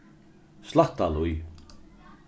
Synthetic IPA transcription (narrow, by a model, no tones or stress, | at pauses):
slaht̪aluj